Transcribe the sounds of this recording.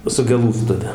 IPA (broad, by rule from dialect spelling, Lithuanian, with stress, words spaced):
sʊ ɡʲɛˈlˠuːstʊʋʲɛ